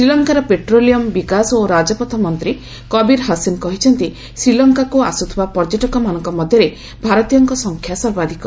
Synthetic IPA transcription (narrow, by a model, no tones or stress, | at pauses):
sɾilɔŋkaɾɔpeʈɾolijɔmbikasɔoɾad͡ʒɔpɔt̪ʰɔmɔnt̪ɾi | kɔbiɾɦasinkɔɦit͡ʃʰɔnt̪i | sɾilɔŋkakuasut̪ʰibapɔɾd͡ʒoʈɔkɔmanɔŋkɔmɔd̪ʱjɔɾe | bʱaɾɔt̪ijɔŋkɔsɔŋkʰjasɔɾbad̪ʱikɔ